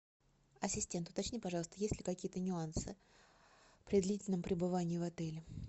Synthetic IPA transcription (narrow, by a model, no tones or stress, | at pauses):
ɐsʲɪsʲtʲe̞nt̪ʊ̥t̪ɐt͡ɕnʲipɐʐɑlˠst̪əjesʲlʲɪkɐkʲijət̪ənʲʊansɨ | pɾʲɪd̪lʲitʲɪlʲnəmpɾʲɪbɨvanʲɪːɪvɐt̪ɛlʲɪ